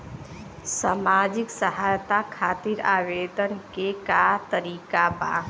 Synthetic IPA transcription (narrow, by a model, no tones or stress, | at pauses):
saːmaːd͡ʒɪksəɦajt̪akʰaːt̪iɾaːʋeːd̪ənkekat̪əɾiːkaba̰ː